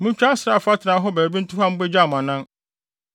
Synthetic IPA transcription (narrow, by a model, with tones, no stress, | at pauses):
mʊ̃˦ɲ˦t͡ɕᶣa˦sa˨fa˦tʰɪ˨nã˨˦ɦɔ˦bæː˨bĩ˦n̩˦tʰʊ˦ha˦m̩˦bɛ˦d͡ʑa˦˨m˨ã˨nã˦n